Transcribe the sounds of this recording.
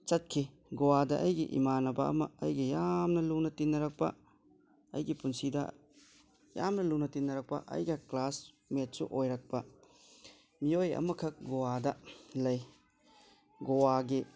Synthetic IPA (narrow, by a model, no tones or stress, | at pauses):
t͡ʃɐt̚kʰi | ɡowadɐʔɐjɡḭʔḭmanɐbɐɐ̰mɐɐjɡijamnɐlunɐtinːɐɾɐk̚pɐ̰ | ɐ̰jɡipunsidɐ̰ | ja̰mnɐlunɐtinːɐɾɐk̚pɐ̰ʔɐ̰jɡɐklas | met̚sṵʔojɾɐk̚pɐ | miojɐ̰mɐkʰɐk̚ɡowadɐlɐj | ɡowaɡi